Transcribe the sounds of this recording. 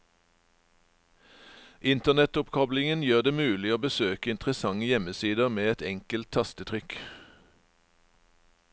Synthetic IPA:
ʔɪnt̪ənɛt̪ʊpkʰɔblɪŋənjøːʁd̪eːmʉːlɪoːbəsøːkəɪnt̪ʁəsɑŋəjɛməsiːd̪əʁmeːɛt̪ɛŋkəlt̪ʰɑst̪ət̪ʰʁʏk

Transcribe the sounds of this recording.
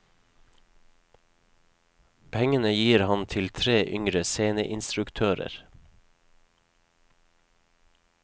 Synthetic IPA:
pʰɛŋənəjiːɾhɑnt̪ʰɪlt̪ʰɾeːʔʏŋɾəseːnəʔɪnst̪ɾʉkt̪ʰøːɾə̰ɾ

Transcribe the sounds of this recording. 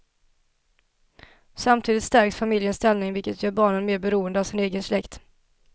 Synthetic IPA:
samt̪ʰiːd̪ɪt̪st̪æɾksfamɪljənst̪ɛlnɪŋvɪlkət̪jœːɾbɑːɳənmeːɾbɛɾuːənd̪əavsɪneːɡənslɛkt̪

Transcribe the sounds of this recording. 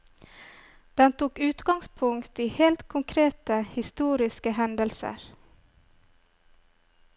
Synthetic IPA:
d̪̥ɛnt̪ʰuːkʉːt̪ɡɑŋspʰʊŋkt̪iːheːlt̪kʰʊŋkʰɾeːt̪əhɪst̪uːɾɪskəhɛnd̪əlsə̰ɾ

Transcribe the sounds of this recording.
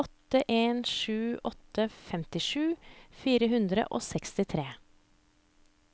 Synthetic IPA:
ɔt̪əʔeːnʃʉːʔɔt̪əfɛmt̪ɪʂʉːfiːɾəɦʉnd̪ɾə̰ʔo̰ːsɛkst̪ɪt̪ʰɾeː

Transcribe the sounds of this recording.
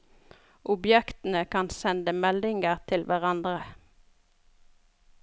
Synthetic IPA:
ʔʊbjɛkt̪n̩əkʰɑnsɛnd̪əmɛlɪŋɡəʁt̪ʰɪlʋʔæʁɑnd̪ʁə

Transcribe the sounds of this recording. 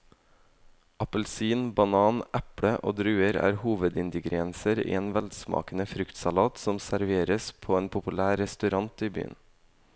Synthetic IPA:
ɑpəlsiːnbɑnɑːnʔæpɽəʔo̰ːd̪ɾʉːəɾæ̰ːɾhuːʋəd̪ɪnd̪ɪɡɾɪɛnsəɾḭːeːnʋɛld̪smɑ̰ːkənəfɾʏkt̪sɑlɑːt̪sɔmsæɾʋeːɾəspʰoːeːnpʰʊpʉlæːɾɛst̪ʉɾɑnt̪iːby̰ːə̰n

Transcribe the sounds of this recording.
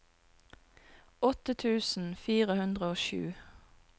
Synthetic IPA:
ɔt̪ət̪ʰʉːsn̩fiːʁəhʉnd̪ʁəoːʃʉ̰ː

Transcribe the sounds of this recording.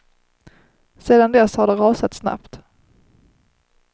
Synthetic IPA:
seːd̪and̪ɛshaɖɛɾɑːsat̪sna̰pt̪

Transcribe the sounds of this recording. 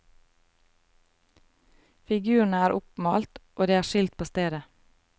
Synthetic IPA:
fɪɡʉːəɳ̩əæːɾʔʊpmɑːlt̪ʔoːd̪eːæːʃɪlt̪̚pʰoːst̪eːd̪ə

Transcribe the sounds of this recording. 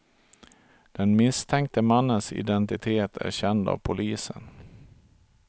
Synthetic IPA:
d̪̥ɛnmɪst̪ʰɛŋk̚t̪əmanːənsɪ̰d̪ɛnt̪ɪt̪ʰeːt̪ʰæ̰ɾɕɛnd̪ɑ̰ːvpʰʊlʔiːsən

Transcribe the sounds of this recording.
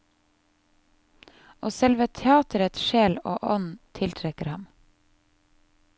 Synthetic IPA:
ʔoːsɛlʋət̪ʰɛɑːt̪əɾət̪ʃeːlo̰ːʔɔnt̪ʰɪlt̪ʰɾɛkəɾhɑm

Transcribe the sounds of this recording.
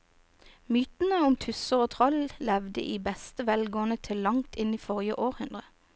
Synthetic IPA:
myːt̪n̩əʊmt̪ʰʉsəʁoːt̪ʰʁɔllɛʋd̪ə̰ʔiːbɛst̪əʋɛlɡoːənət̪ʰɪlːɑŋt̪ɪniːfɔʁjəʔoːʁhʉnd̪ʁə

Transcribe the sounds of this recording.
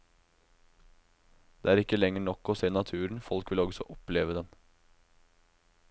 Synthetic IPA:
d̪̥eːæːɾɪkːəlɛŋəɳɔkːɔseːnɑt̪ʰʉːɾɳ̩fɔlkʋɪlɔɡsɔʔɔpleːʋəd̪ɛn

